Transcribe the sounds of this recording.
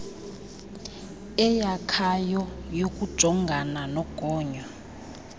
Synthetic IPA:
ɛjakʰajɔjokʼud̥ʒ̥ʱɔŋɡʱananɔɡ̥ʱɔːɲɔ

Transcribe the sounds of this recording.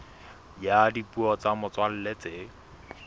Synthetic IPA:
jadipʼuɔt͡samʊt͡swal̩let͡sʼɪ

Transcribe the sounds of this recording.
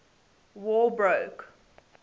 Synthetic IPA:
wɔːlbɹoʊk

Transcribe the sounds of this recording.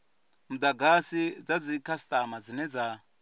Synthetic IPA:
mud̪aɡasid͡zad͡zikʰast̪ʼamad͡zinɛd͡za

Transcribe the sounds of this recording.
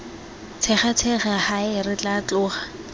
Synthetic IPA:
t͡sʰɛχat͡sʰɛχahaɪrɪt͡ɬʼat͡ɬʼʊːχḁ

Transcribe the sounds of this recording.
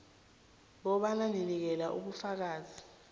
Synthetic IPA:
ɓɔɓananinik̬ɛlaʔṵɓufak̬aːzi

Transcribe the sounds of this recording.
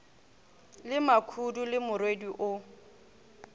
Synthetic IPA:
lɪmakʰudulɪmʊrwediʔʊ

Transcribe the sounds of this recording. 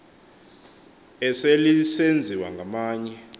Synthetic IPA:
ɛselisend͡zʱiwaŋɡʱamaːɲɛ

